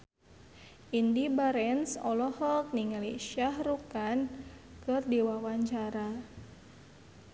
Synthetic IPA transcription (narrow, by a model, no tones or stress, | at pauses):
ʔindibaɾɛnsɔlɔhɔk̚niŋaliʃahrukan | kɨrdiwawaɲt͡ʃaɾa